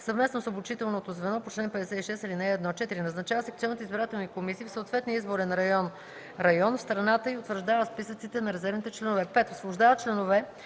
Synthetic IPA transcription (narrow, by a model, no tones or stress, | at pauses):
səvmɛsnosobut͡ʃit̪ɛlˠnot̪ozvɛnɔpot͡ʃlɛnpɛd̪ɛsɛt̪iʃɛsilinɛːd̪nɔt͡ʃɛt̪iɾinɐznɐt͡ʃavəsɛkt̪ɔnət̪izbiɾat̪ɛlˠnikomisiːfsəːt̪vɛt̪nijəizboɾɛnɾɐɔn | ɾɐjɔnfst̪ɾɐnat̪əiot̪vəɾʒd̪avəspisət̪sit̪ɛnɐɾɛzɛɾvnit̪ɛt͡ʃlɛnovɛpɛt̪osvlˠʊʒd̪avət̚t͡ʃlɛnovɛ